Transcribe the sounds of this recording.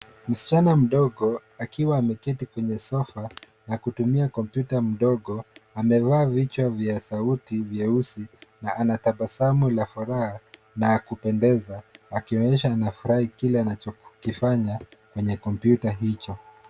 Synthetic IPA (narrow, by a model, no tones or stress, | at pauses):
m̩si̥t͡ʃanam̩ɗɔɠɔ | akiwaːmɛkɛtikwɛɲɛsɔfa | nakutumiakɔmpjutam̩ɗɔɠɔamɛvaːvit͡ʃwavjasautivjɛusinaʔanataɓasamulafuɾaha | nakupɛndɛzaakiɔɲɛʃaːnafuɾahikilɛanat͡ʃɔkifaɲakwɛɲɛkɔmpjutaɦit͡ʃɔ